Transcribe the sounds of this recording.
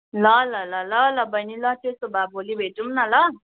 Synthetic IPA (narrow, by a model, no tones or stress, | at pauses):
lʌlʌlʌlʌlʌbʌjnilʌt̪esobʱabʱolibʱeʈumnʌlʌ